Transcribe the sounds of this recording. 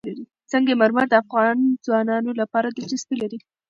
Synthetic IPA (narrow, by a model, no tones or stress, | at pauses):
laɾi | t͡səŋɡemaɾmaɾd̪əafɣɑnzwɑnɑnolapɑɾad̪əd͡ʒɪsbilaɾi